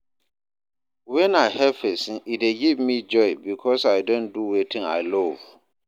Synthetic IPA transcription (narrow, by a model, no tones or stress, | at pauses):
wɛ̃naɪhɛfesĩnideɡivmĩd͡ʒɔɪbikʰɔsaɪdõnduwetʰĩŋa̰ɪlɔv